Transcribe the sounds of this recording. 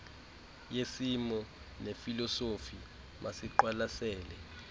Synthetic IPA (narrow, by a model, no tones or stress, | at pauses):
jesimɔ | nefilɔsofi | masiǃwalasɛːlɛ